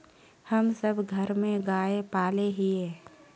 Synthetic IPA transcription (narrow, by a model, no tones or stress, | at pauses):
həmsəbʱɡʱəɾmẽɡaːepaːleɦieː